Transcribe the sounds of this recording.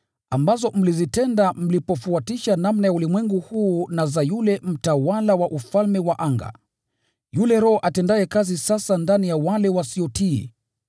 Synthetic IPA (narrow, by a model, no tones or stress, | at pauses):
ambazɔm̩lizitɛndam̩lipɔfuatiʃanamnajaulimwɛŋɡuhuːnazajulɛm̩tawalawaʔufalmɛwaʔaŋɡa̰ | julɛɾɔːʔatɛndajɛkazisasandanijawalɛwasiɔtḭ